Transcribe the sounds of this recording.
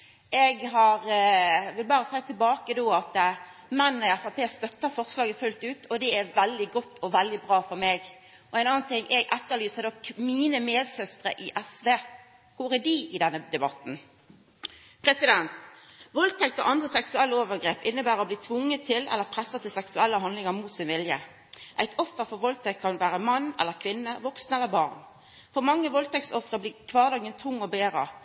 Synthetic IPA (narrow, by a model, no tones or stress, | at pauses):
ʔɛɡɦɑʁʋɪlbɑːɾəsæɪt̪ʰɪlbɑːkəd̪oːɑt̪ | mɛnːnəæfɑpʰeːst̪œt̪ːɑfɔʁslɑːɡəfʉlt̪ʉːt̪ʰɔd̪ɛæɾʋɛld̪ɪɡɔt̪ːɔʋɛld̪ɪbʁɑːfɔɾmeːɡ | ɔæɛɪnɑːɑnt̪ʰɪŋʔɛɡʔɛt̪ːəʁlyːsəd̪ɔkmiːnəmeːd̪sœst̪ɾə̰ʔɪʔɛsʋeː | kʊʁæɖiɪd̪ɛnːəd̪ɛbɑt̪n̩ | pʰɾɛsɪd̪ɛnt̪ʋɔlt̪ʰɛk̚t̪ɔ̰ʔɑnd̪ʁəsɛksʉɛlːəoːʋəɾɡɾeːpɪnːəbæːʁɔbliːt̪ʰʋʊŋːət̪ʰːɪlʔɛ̰lːəɾpʰʁɛsːɑt̪ʰɪlsɛksʉɛlːəɦɑnd̪lɪŋɑɾmuːt̪sɪnʋɪljə | ʔæɪt̪ʰɔfːəɾfɔɾʋɔlt̪ʰɛkk̪ʰːɑnʋæːɾəmɑnːɛ̰lːəɾkʰʋɪnːəʋɔksnɛlːəɾbɑʁn | fɔɾmɑŋːəʋɔlt̪ʰɛk̚tsɔfʁəbliːkʰʋɑːʁd̪ɑːɡənt̪ʰʊŋːɔbeːɾə